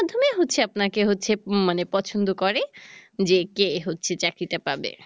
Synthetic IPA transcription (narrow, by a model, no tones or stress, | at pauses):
mad̪ʱːomeɦot̪ːt͡ɕʰeapnakeɦotːɕʰemanepɔt͡ɕʰond̪okɔɾed͡ʑekeɦotːɕʰet͡ɕakɾit̪apabḛ